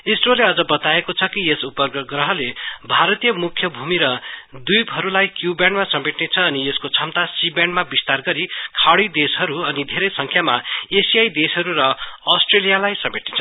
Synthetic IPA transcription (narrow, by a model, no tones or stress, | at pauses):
esroleʌd͡zʌbʌt̪aekot͡sʰʌkiesupʌrɡrʌɦʌlebʱaɾʌt̪ijʌmukʰːjʌbʱumiɾʌd̪ujbɦʌɾulajkjubjanɖmasʌmeʈnet͡sʰʌːnieskot͡sʰʌmt̪asibaɳnɖmabist̪arɡʌɾikʰaɽid̪esɦʌɾuʌnid̪ʱeɾʌjsʌŋkʰjamaesijajd̪esɦʌɾurʌʌsʈrelijalajsʌmeʈnet͡sʰʌ